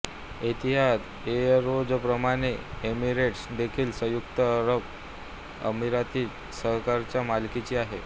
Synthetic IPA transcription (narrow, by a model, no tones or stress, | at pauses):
it̪iɦad | eɾod͡zpɾəmaɽ̃eemiɾeʈsd̪ekʰiːlsəjukt̪əɾəp | ə̰miɾat̪iːt̪ | səɦkaɾt͡ɕjamalkit͡ɕiːaɦe